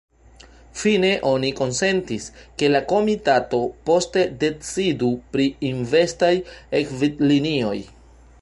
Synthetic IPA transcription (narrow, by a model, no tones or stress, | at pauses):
fine̞ʔo̞niko̞nse̞ntiske̞lako̞mitato̞po̞ste̞de̞t͡sidupɾiinve̞stajekvitlinio̞j